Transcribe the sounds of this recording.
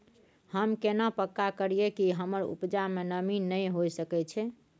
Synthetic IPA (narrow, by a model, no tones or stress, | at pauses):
həmkenapəkːakəɾijekiɦəməɾṵpd͡ʒamenəminːəjɦojsəkɛt͡ʃʰɛ